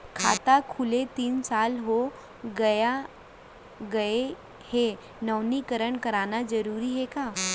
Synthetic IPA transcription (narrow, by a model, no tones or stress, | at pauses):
kʰa̰t̪akʰulet̪iːnt͡salɦo | ɡəja | ɡəe | he | nəwnikəɾəɳkəɾanad͡zəɾuɾiːɦeka